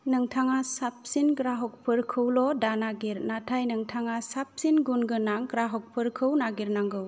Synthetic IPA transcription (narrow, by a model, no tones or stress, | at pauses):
nɯŋtʰaŋasap̚sinɡɾaɦɔk̚pʰɯɾkʰɯwlɔdanaɡiɾnatʰajnɯŋtʰaŋasap̚sinɡunɡɯnaŋɡɾaɦɔk̚pʰɯɾkʰɯwnaɡiɾnaŋɡɯw